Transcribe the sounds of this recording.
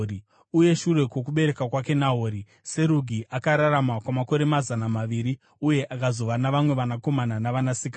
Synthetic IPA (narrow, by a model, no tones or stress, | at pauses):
i | uje̞ʃuɾe̞kwo̞kuɓe̞ɾe̞kakwake̞naɦoːɾi | se̞ɾuɡʱiʔakaɾaɾamakwamako̞ɾe̞mazanamaʋiɾi | uje̞ʔakazo̞ʋanaʋamwe̞ʋanako̞mananaʋanasika